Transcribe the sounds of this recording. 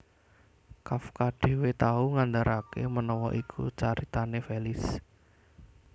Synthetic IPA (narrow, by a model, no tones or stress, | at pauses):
kafkaɖ̥e̤wet̪auŋand̪aɾʔakḛmənɔwɔ̰ʔikʰṵt͡ʃaɾit̪anefelɪs